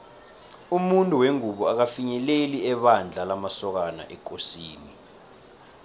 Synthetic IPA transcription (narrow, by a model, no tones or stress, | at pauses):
umuntʼuweŋuɓɔak̬afiɲɛleliɛɓand͡ɮʱalamasɔk̬ana̰ʔɛk̬ʼosiːni